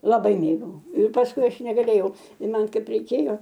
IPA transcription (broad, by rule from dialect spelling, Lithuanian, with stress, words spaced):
lˠɐˈbɐɪ ˈmʲeːɡɐʊ ɪr pɐsˈkʊɪ ˈɐʃ nʲɛɡɐˈlʲeːjɛʊ ɪ ˈmɐn ˈkɐɪp rʲɛɪˈkʲeːjoː